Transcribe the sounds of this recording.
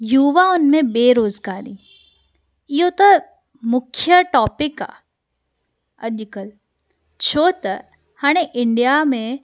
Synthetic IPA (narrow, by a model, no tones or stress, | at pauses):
juːʋaʊnmẽbeːɾoːzɡaːɾiː | jot̪o | mʊkʰjəʈɔːpɪka̰ː | ɐ̰ʄkəl | t͡ʃʰoːt̪ə | haːɽ̃eʔɪɳɖijamẽ